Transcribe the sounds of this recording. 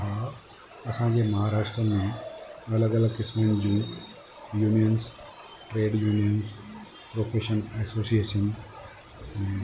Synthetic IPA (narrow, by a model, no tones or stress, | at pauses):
ɦa | ɐsãːɲd͡ʑeːmɐɦaːɾaːʃʈɾəmẽɐləɡɐləɡkɪsmənd͡ʑũː | juːnijəns | ʈɾeːɖjuːnijəns | pɾoːfeːʃənɛsoːsieːʃən